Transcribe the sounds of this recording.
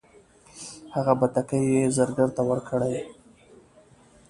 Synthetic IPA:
haɣabat̪akəjezəɾɡəɾt̪awəɾkʰəɽaj

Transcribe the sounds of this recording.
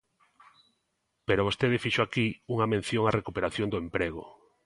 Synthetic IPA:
peɾoβost̪eðɪfiʃoakiuŋɐmẽn̟θjoŋarekupeɾaθjond̪ʊempɾeɣ̞o̰

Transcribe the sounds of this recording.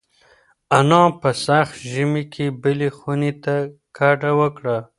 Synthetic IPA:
anɑ̃ːpəsaxt̪ʒimikʰebəlixunit̪a | kaʈawəkɽa

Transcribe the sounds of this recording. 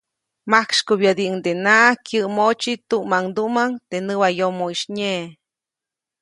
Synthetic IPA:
makʃkobjəd̪iʔŋd̪enakjɨʔmot͡ʃit̪uʔmaŋd̪uʔmaŋt̪enɨwajomoiʃɲe

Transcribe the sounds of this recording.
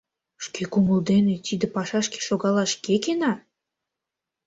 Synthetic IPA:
ʃkʰekuməld̪enet̪id̪epɑʃɑʃke̥ʃoɣɑlɑʃkekenɑ

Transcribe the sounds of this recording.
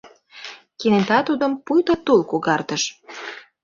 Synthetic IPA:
kinet̪ɑt̪ud̪ə̆mpujt̪ət̪ulkuɣɑrt̪əʃ

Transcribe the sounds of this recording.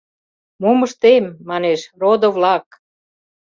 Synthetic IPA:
moməʃt̪emːɑneʃrod̪ovlɑk

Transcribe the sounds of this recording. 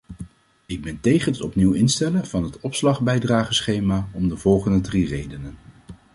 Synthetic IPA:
ɪɡ̚bɛntejχənətɔpniwɪnstɛləv̥ɑnɦətɔpslɑχbɛjdraːχəsχejmaːɔmdəv̥ɔlˠχəndədrirejdənən

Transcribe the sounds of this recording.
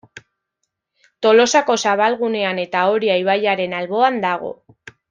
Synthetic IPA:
t̪o̞lo̞sako̞saβ̞alɣune̞ane̞t̪ao̞ɾiajβ̞aʎaɾe̞nalβo̞and̪aɣ̞o̞̰

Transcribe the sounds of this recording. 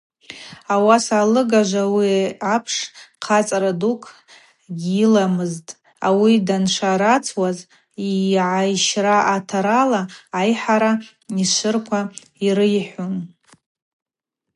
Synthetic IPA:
awasalɨɡaʒʷawiapʰʂqʰat͡sʼɾadukʰ | ɡʲilamɨztʼ | a̰widanʂʰaɾat͡sʰwaz | iʕajʃraʔatʰaɾalaːjħaɾa | iʃʷɨrkʷʰa | iɾɨjħʷun

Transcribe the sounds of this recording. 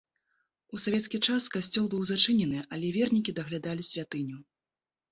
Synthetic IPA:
usavʲɛt̪skʲit͡ʂaskasʲt͡sʲɔlˠbɨwzat͡ʂɨnʲɛnɨʔɐlʲɛvʲɛrnʲikʲid̪ɐɣlʲad̪alʲisʲvʲat̪ɨnʲu

